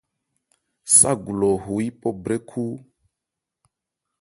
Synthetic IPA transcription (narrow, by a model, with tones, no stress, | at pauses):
sa˦ɡu˨lɔ˨ɦu˨i˦pɔ˦bɾɛ˦kʰu˦